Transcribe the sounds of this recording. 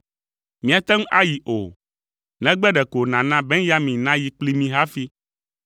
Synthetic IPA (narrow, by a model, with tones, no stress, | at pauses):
mĩ˨a˨t̪ɛ˦ŋ˦ʔa˦ji˨ʔo˨ | nɛ̃˨ɡ͡bɛ˦ɖɛ˨ko˨nã˨nã˦bɛ˦ŋ˦ja˦mĩ˨nã˦ji˨k͡pli˦mĩ˦ɦa˦fi˦